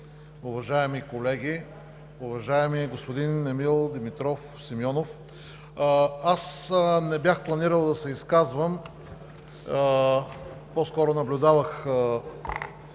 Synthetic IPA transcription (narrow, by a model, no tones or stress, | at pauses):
ʊvɐʒaɛmikolɛɡʲi | ʊvɐʒaɛmiɡospod̪inɛmilˠd̪imit̪ɾɔf | simjɔnof | asnɛbjaxplˠɐniɾəlˠd̪ɐsɛiskazvəm | pɔskɔɾʊnɐblʲʊd̪avəxə